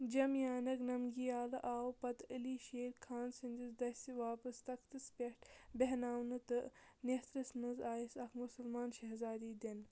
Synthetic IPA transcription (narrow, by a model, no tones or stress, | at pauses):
d͡ʒɐmjaːnɐknɐmɡijaːlɨʔaːwpɐt̪əliːʃeːɾkʰaːnsinʲd̪ʲizd̪ɐsiʋaːpɐst̪ɐkʰt̪ɨspʲeʈbeɦnaːwnɨt̪ɨnet̪ɾɐsnɨzaːjisɐkʰmusɐlmaːnʃɐɦzaːd̪iːd̪en